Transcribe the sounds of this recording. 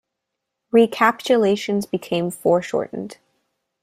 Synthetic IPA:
ɹikʰæpt͡ʃɨleɪʃɨ̃nzbɨkʰẽɪ̃ɱfɔɹʃɔ̰ɹʔn̩d̥

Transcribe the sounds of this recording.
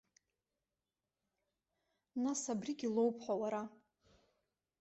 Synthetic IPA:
nasabriɡʲilo̞wpʰħʷawaɾa

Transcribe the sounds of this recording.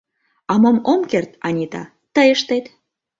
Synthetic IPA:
ɑmomomkert̪ɑnʲit̪ɑ̰ | t̪əjəʃt̪et̪

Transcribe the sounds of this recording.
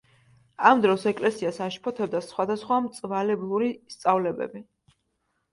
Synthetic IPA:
amd̪ɾɔsɛkʼlɛsiasaʃpʰɔt̪ʰɛb̚d̪asχwad̪asχwamt̪sʼvalɛblˠuɾist̪sʼavlɛbɛ̰bi

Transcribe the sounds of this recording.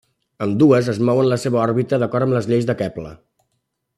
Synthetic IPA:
əmd̪uəzəzmɔwənləseβəɔɾβit̪əðəkɔɾt̪əmləzʎejzðəkɛplə̰

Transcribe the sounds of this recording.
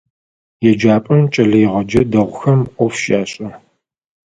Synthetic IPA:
jɛd͡ʒaːpʼɐmt͡ʃʼɐɮɐjɪʁɐd͡ʒɐdɐʁʷʊxɐmqʷʼɔfʃaːɕʼɐ

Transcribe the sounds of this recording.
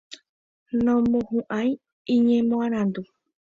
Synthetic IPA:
nõmõhũʔãj̃ | ĩɲẽmõãɾ̃ãnd̪u

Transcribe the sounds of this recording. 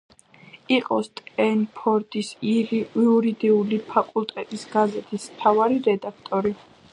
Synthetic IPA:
iqʼɔst̪ʼɛnpʰɔɾd̪ʼis | iuɾid̪iulipʰakʼulˠt̪ʼɛt̪ʼisɡazɛt̪ʰismt̪ʰavaɾiɾɛd̪akʰt̪ʼɔɾi

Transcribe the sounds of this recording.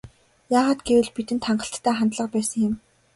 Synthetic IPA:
jaːʁaːt̪ɡewɘ̆ɮpit̪ɘ̆nt̪ʰaɴɢə̆ɬt̪ːʰæːχant̪ɮə̆q̚pæːsə̆ŋjɪ̆m

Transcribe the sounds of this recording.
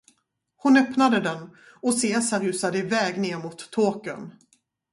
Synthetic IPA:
hʊnœpnad̪əd̪ɛn | ɔseːsaɾʉ̟ːsad̪əɪvɛːɡneːɾmʊt̪ʰːoːkə̰n

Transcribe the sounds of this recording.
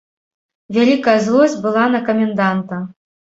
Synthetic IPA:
vʲalʲikɐjɐzlˠɔzʲbɨlˠanɐkɐmʲɛnd̪ant̪ɐ

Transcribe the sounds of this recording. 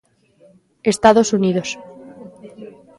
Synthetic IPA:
est̪aðosuniðos

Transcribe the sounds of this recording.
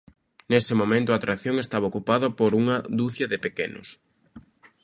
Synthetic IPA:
nesɪmomẽnt̪ʊaːt̪ɾaθjoŋest̪aβaokupaðɐpoɾuŋɐðuθjɐðɪpekenʊ̰s

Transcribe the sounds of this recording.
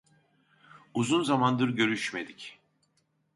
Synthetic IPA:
uzunzamand̪ɯɾɟø̞ɾyʃme̞d̪ic

